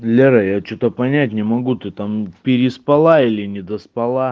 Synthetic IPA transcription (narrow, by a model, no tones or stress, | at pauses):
lʲeɾɐjat͡ɕot̪əpɐnʲætʲnʲɪmɐɡut̪ɨt̪ampʲɪɾʲɪspɐlˠailʲɪnʲɪd̪əspɐlˠa